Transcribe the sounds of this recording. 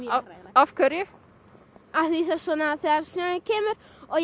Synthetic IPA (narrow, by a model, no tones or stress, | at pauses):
afkʰœɾjʏ | aθiisasɔnaːðθɛaɾsɛɪcʰeːmʏɾ | ɔɣ